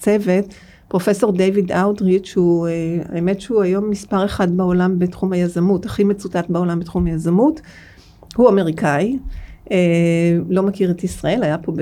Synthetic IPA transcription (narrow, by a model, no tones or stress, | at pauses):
t͡seve̞t | pʁo̞fe̞so̞ʁdejvidawdʁitʃuea̰eme̞tʃehuajo̞mːispaʁeχadbeo̞lambetχumhajazamutaχimet͡sutatbeo̞lambetχumhajazamut | huameʁikaielo̞makiʁetisʁae̞lhajapo̞b